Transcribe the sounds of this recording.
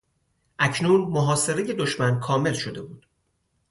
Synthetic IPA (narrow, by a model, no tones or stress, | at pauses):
ʔæcʰnuːnmoɦɒːse̞ɾe̞je̞d̪oʃmænkʰɒːme̞lʃod̪e̞buːd̪̥